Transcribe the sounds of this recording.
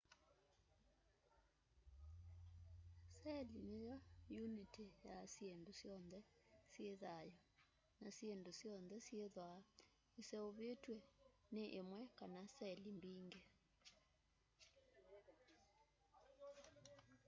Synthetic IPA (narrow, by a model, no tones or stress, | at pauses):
sɛlinejɔjunitejasiendusjɔnd̪ɛsjeðajɔ | nasjendusjɔnd̪ɛsieðwa | isɛoβetweneʔemwɛkanasɛlimbiŋɡe